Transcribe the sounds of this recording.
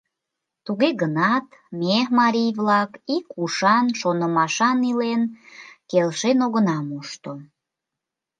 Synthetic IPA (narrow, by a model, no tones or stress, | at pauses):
t̪uɣeɣənɑt̪memɑɾʲijvlɑkikuʃɑnʃonəmɑʃɑnilenkelʃenoɣənɑmuʃt̪o